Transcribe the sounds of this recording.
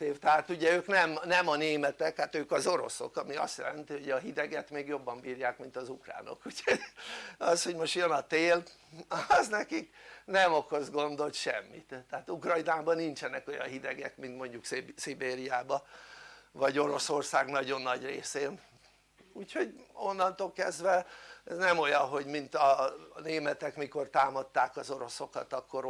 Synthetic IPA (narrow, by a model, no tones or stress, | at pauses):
t̪eːft̪ɛɦaːt̪uɟɛøːknɛmnɛmɒneːmɛt̪ɛkhat̪øːkɒzoɾo̞̰so̰kɒmiɒ̰st̪jɛ̰lɛnt̪iɦo̞ɟɒɦid̪ɛɡɛt̪meːɡjo̞bːɒmbiːɾjaːkmint̪ɒzukra̰ːno̰kucʰho̞ɟɒsho̞ɟmo̞ʃt̪jønɒt̪eːl | ɒznɛkiknɛmo̞ko̞zɡo̞nd̪o̞lt̪ʃɛ̰mːḭt̪ːɛaːt̪ukrɒjnaːbɒnint͡ʃɛnɛko̞jɒ̰nɦid̪ɛɡɛkmint̪mo̞ɲɟuksibeːɾijaːbɒ | vɒɟo̞ɾo̞so̞rsaːɡnɒɟo̞nːɒɟrḛːseːn | uːcho̞ɟo̞nːɒnt̪oːlkɛ̰zd̪ʋɛɛznɛmo̞jɒnɦo̞ɟmint̪ɒneːmɛt̪ɛkmiko̞rt̪aːmɒt̪ːaːkɒzo̞ɾo̞so̞kɒ̰t̪ɒkːo̞ɾ